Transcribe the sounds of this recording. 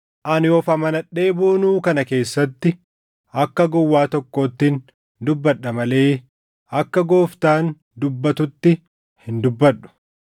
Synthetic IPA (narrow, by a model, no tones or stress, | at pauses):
ʔɐnjɔːfɐmɐnɐᶑe̞ːbuːnuːkɐnɐke̞ːsːɐt̪ːɪ | ɐkːɐɡɔwːaːt̪ɔkːo̞ːt̪ːɪn | d̪ʊbːɐᶑːɐmɐle̞ː | ɐkːɐɡoːft̪aːn | d̪ʊbːɐt̪ʊt̪ːɪ | hɪnd̪ʊbːɐᶑʊ̥